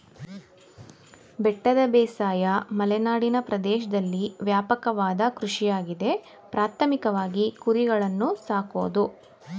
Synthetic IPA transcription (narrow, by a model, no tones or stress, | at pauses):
bɛʈːɐd̪ɐbɛːsaːjɐmɐlɛnaːɽinɐpɾɐd̪ɛːʃɐd̪ɐlːiʋjaːpɐkɐʋaːd̪ɐkɾuʂijaːɡid̪e̞ | pɾaːt̪ʰɐmikɐʋaːɡikuɾiɡɐɭɐnːusaːkoːd̪u